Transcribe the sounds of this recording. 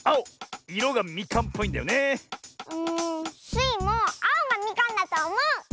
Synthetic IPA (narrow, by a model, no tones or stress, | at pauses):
aoiɾoɡamʲikãmpʰo̞ĩnd̪ajone | ɯ̃sɨimoaoŋamʲikãnːat̪aomo